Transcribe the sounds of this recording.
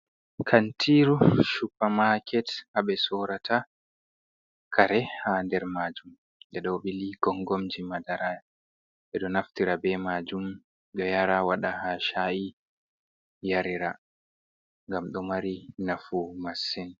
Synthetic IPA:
kʰantʰiɾuʃupːamakʰɛtʔaɓɛsɔɾatʰa | kʰaɾɛhandɛɾmad͡ʒum | ɗɛɗɔbiliɡ̥ɔŋɡɔmd͡ʒimadaɾaja | ɓɛɗɔnaftiɾabɛmad͡ʒum | ɗɔjaɾawaɗahaʃaʔi | jaɾiɾa | ŋɡamɗɔmaɾinafumasːɛn

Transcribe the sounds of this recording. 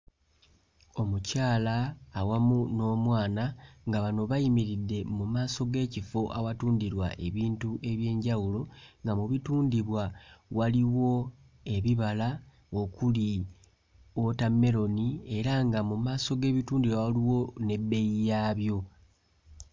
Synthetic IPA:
o̞mucaːlaːwamuno̞ːmwaːnaŋɡaβano̞βajimiɾidːe̞mumaːso̞ɡe̞ːcifo̞ʔawatuːndiɾwa̰ʔe̞βiːntuʔe̞βje̞ːɲɟawulo̞ŋɡamuβituːndiβwawaliwo̞ | e̞βiβala | o̞kuli | o̞tamːe̞ɾo̞nie̞ɾaŋɡamumaːso̞ɡe̞ːβituːndiwawaliwo̞ne̞bːe̞jijaːβjo̞

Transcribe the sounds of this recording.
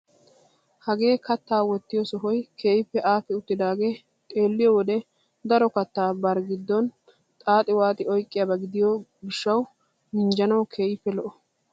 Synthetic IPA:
hɐɡe̞ːkɐt̪ːaːwɔt̪ːɪjɔsɔɦɔjkʰe̞ːjɪpːɛʔaːfɛʊt̪ːɪd̪aːɡe̞ː | t̪ʼe̞ːlːɪjɔwɔd̪ɛ | d̪ɐɾɔkɐt̪ːaːbɐɾɡɪd̪ːɔn | t̪ʼaːt̪ʼːɪwaːt̪ʼɪɔjkʼːɪjaːbɐɡɪd̪ɪjɔɡɪʃːɐw | mɪnd͡ʒɐnɐwkʰe̞ːjɪpːɛlɔʔɔ

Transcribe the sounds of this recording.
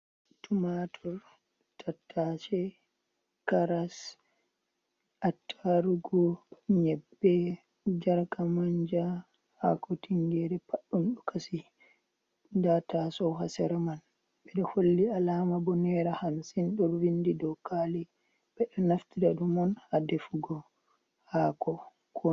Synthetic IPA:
tumatʰɔɾ | tʰatʰːat͡ʃɛ | kaɾas | ʔatʰːaɾuɡɔɲɛbːɛ | d͡ʒaɾkamaɲd͡ʒa | ha̰kɔtiŋɡɛɾɛpaɗːunɗɔkʰasi | datasɔwɦasɛɾaman | ɓɛɗɔholːialaːmabɔnɛɾahamsinɗɔɾwindidɔkali | ɓɛɗɔnaftidaɗumɔnhadefuɡɔ | haːkɔ | kʰɔ

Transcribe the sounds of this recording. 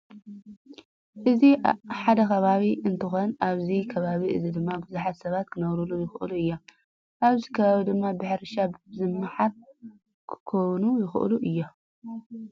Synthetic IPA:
ʔɨziħad̪ɐkɐβaβiɨnt̪ʰɨxo̞nʔaβzikʰɐβaβiʔɨzid̪ɨmːabɨzuħat̪sɐβat̪kʰɨnɐβɾulujɪxʔɨluɨjːa | ʔaβzikʰɐβaβid̪ɨmːabɨħɾʃabzɨmːaħaɾ | kʰkʰownujɪxʔluʔɨjːo

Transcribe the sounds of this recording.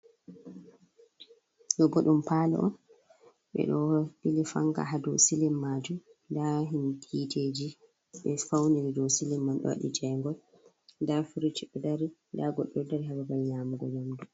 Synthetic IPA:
nɔbɔɗumpaːlɛ̰ʔɔ̰n | ɓɛ̰ɗɔdilifa̰ŋɡa̰ɦadɔwsilimːad͡ʒumndaɦinditʰed͡ʒi | ɓɛfawniɾidɔsilimːanɗɔ̰wa̰ɗḭd͡ʒɛŋɡɔl | ndafuɾit͡ʃiɗɛdaɾindaɡɔɗːɔdaɾiɦababajamuɡɔjamdu

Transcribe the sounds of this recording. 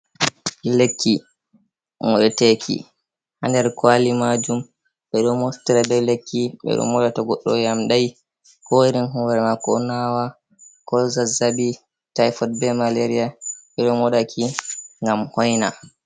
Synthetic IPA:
ɗilekʰːi | mɔɗɛtekʰḭ | handɛɾkwalimad͡ʒum | ɓɛɗɔmɔstiɾadɛlekːiɓɛ̰ɗɔ̰nwɔɗataɡɔɗːɔ̰jamɗaj | kɔiɾinɦuwaɾɛmakɔnawa | kɔlzazabi | tajfɔt̚bɛmaleɾiaɓɛɗɔnwɔɗakʰiŋɡamhɔjna

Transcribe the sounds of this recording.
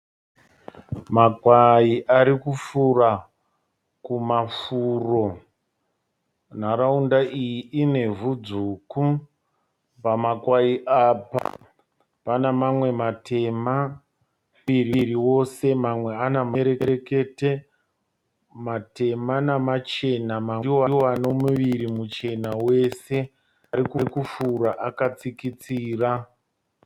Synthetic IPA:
makwaiʔaɾikufura | kumafuːro̞ | n̤aɾaundaʔijiine̞vud͡zuːku | pamakwaiʔapa̰ | panamamwe̞matʰe̞ma | iriɾiwo̞se̞mamwe̞anameɾeɾeke̞te | mate̞manamat͡ʃe̞namaoaoano̞muʋiɾimut͡ʃe̞nawe̞se̞ | aɾikukufuɾaʔakat͡sikit͡siːra

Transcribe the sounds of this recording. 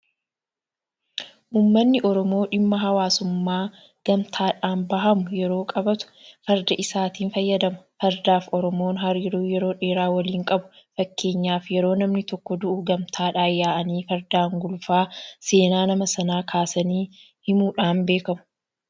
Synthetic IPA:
ʔuːmːɐnːɪʔɔɾɔmo̞ːᶑɪmːɐɦɐwaːsʊmːaː | ɡ̥ɐmt̪ʰaːᶑaːnbɐɦɐmʊjɛɾo̞ːkʼɐbɐt̪ʊ̥fɐɾd̪ɐʔɪsaːt̪iːnfɐjːɐd̪ɐmɐfɐɾd̪aːfɔɾɔmoːnɦɐɾiːɾuːjɛɾo̞ːᶑe̞ːɾaːwɐliːŋkʼɐbʊ̥fɐkːe̞ːɲːaːfjɛɾo̞ːnɐmnɪt̪ɔkːɔd̪ʊʔʊɡɐmt̪ʰaːᶑaːjaːʔɐniːfɐɾd̪aːŋɡʊlfaːse̞ːnaːnɐmɐsɐnaːkʰaːsɐniː | hɪmuːᶑaːnbe̞ːkɐmʊ̥

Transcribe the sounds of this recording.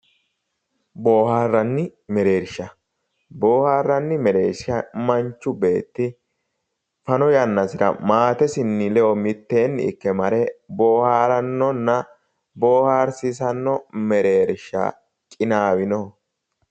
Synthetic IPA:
bo̞ːhaːrːɐnːɪmɛɾe̞ːɾʃɐ | boːhaːrːɐnːɪmɛɾe̞̰ːʃɐmɐnt͡ʃːʊbe̞ːt̪ːɪ | fɐnɔjɐnːɐsɪɾɐ̰maːt̪ɛsɪnːɪlɛʔɔmɪt̪ːe̞ːnːɪ̰kːɛmɐɾɛbo̞ːhaːɾɐnːɔnːɐ | bo̞ːhaːɾsɪsɐnːɔmɛɾe̞ːɾʃːa̰ | kʼɪnaːwɪnɔ

